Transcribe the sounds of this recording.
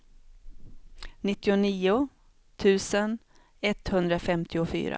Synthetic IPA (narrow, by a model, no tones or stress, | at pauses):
nɪt̪ːɪʊniːʊ | t̪ʰʉ̟ːsən | ɛt̪ːhɵnd̪ɾafɛmt̪ʰɪʊfy̰ːɾa̰